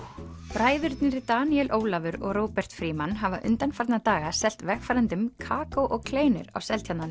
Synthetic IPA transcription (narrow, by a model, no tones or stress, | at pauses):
pɾaːjðʏɾt̪nɪɾɪt̪aːniɛlʔoːwlavʏɾɔ̰ɣɾowpɛr̥t̪fɾiːmanɦavaʔʏ̰nt̪anfaɾt̪nat̪aːɣasɛl̥t̪vɛxfajɾant̪ʏmkʰaːkowʔɔɣkʰleːjnʏ̰ɾa̰wsɛlt̪ʰjat̪nan